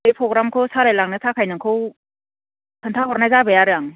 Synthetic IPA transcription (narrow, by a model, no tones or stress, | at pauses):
ejpʰɾɔɡɾamkʰɯwsaɾajlaŋnɯtʰakʰajnɯŋkʰɯw | tʰəntʰaɦɔɾnajzabɐjaɾɯjaŋ